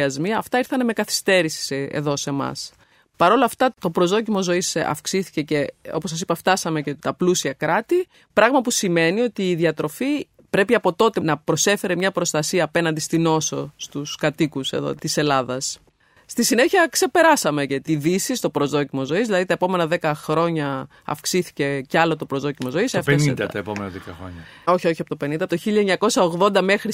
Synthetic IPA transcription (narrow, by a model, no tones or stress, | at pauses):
ɐzmiɐːft̪ɐiɾθɐneme̞kɐθi̥st̪e̞ɾisi̥sḛðo̞se̞mɐ̰s | pɐɾo̞lɐft̪ɐt̪o̞pɾo̞zðo̞cimo̞zo̞isɐ̰fksiθi̥ce̞ceo̞po̞s̬ɐs̬ipɐft̪ɐsɐme̞ce̞t̪ɐplusiɐkɾɐt̪i | pɾɐɣmɐpusime̞nio̞t̪iːðiɐt̪ɾo̞fi | pɾe̞piɐpo̞t̪o̞t̪enɐpɾo̞se̞fe̞ɾe̞mɲɐpɾo̞st̪ɐsiɐːpe̞nɐnd̪ist̪ino̞sost̪uskɐt̪ikuse̞̰ðo̰t̪ise̞lɐðɐs | st̪isine̞çiɐkse̞pe̞ɾɐsɐme̞cet̪iðisist̪o̞pɾo̞zðo̞cimo̞zo̞izðilɐðit̪ɐepo̞me̞nɐðe̞kɐxɾo̞ɲɐ | ɐ̰fksiθi̥ce̞cɐlo̞t̪o̞pɾozðocimozo̞isɐfnid̪ɐt̪ɐepomenɐðekɐ̰xɾo̰ɲɐo̞çio̞çiɐpot̪ope̞nind̪ɐpot̪oçiʎɐeɲɐko̞sɐoɣðo̞nd̪ɐme̞xɾi